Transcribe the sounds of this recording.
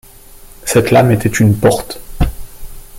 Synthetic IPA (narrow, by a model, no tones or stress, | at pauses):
sɛt̪lamet̪ɛt̪ynpɔʁt̪